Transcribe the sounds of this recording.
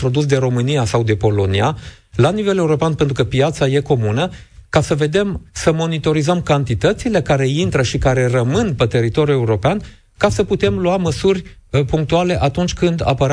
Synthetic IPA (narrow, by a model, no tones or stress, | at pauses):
ɾo̞d̪us̬d̪e̞ɾo̞mɨnijasawd̪e̞po̞lo̞nia | lanive̞le̞uɾo̞peanpent̪ɾukəpijat̪saje̞ko̞munəkasəve̞d̪e̞msəmo̞nit̪o̞ɾizəmkant̪it̪ət̪sile̞kaɾe̞int̪ɾəʃikaɾe̞rəmɨnpe̞t̪e̞ɾit̪o̞ɾʲjue̞uɾo̞pean | kasəput̪e̞mluaməsurʲpuŋk̚t̪uale̞ʔat̪unt͡ʃʲkɨnd̪a̰pəɾ